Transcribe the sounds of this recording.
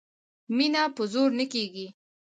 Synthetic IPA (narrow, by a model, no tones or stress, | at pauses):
minapəzoɾnəkeɡi